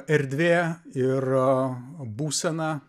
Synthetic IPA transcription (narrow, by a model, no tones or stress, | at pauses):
ɛɾʲd̪ʲʋʲeːɪr | buːsʲɛnɑ